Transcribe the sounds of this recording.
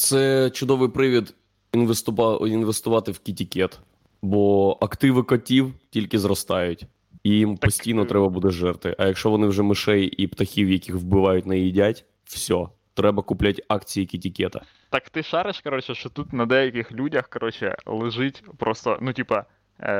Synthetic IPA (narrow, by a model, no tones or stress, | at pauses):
t̪sɛt͡ʃʊd̪ɔʋɪjpɾɪʋʲid̪ | inʋest̪ʊinʋest̪ʊʋɑt̪ɪwkʲitʲikʲɛt̪ | bɔʔɐkt̪ɪʋɪkɔtʲiwtʲilʲkɪzɾɔst̪ɑjʊtʲ | ijimp̪ɔsʲt̪ʲijnɔt̪ɾɛbɐbud̪ɛʒɛrt̪ʋɪ̰ʔɐjɐkʃt͡ʃɔʋɔnɪwʒɛmɪʃɛjipt̪ɐxʲiwjɐkʲixʋbɪʋɑjʊtʲnɐjidʲatʲ | wsʲɔ | t̪ɾɛbɐkʊplʲatʲɑkt͡sʲijikʲitʲikʲɛt̪ɐ | t̪ɑkt̪ɪʃɑɾɪʃkɐɾɔt͡ʃɛʃt͡ʃɔt̪ut̪nɐd̪ɛjɐkʲɪxlʲudʲɐxkɐɾɔt͡ʃɛ̰lˠɪʒɪtʲpɾɔst̪ɔ̰nutʲipɐ